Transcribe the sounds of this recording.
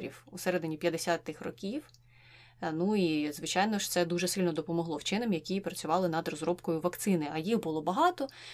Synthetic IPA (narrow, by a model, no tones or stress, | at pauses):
ɾʲḭwusɛɾɛd̪ɪnʲipʲjɐd̪esʲat̪ːɪxrɔ̰kʲiw | nuizʋɪt͡ʃɑjnɔʃt̪sɛd̪uʒɛsɪlʲnɔd̪ɔpɔmɔɦlˠɔwt͡ʃɪnɛmjɐkʲipɾɐt͡sʲʊʋɑlˠɪnɐd̪rɔzɾɔbkɔjʊʋɐkt̪sɪnɪɐjiɦbʊlˠɔbɐɦɑt̪ɔ